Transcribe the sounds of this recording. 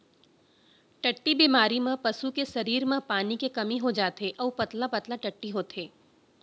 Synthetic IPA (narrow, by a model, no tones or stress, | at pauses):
ʈɐʈːibiːmaːɾimẽpɐsukesɐɾiːɾmẽpaːnikekɐmiɦod͡ʒaːt̪eʔɔːpɐt̪lapɐt̪laʈɐʈːiɦoːt̪ʰeː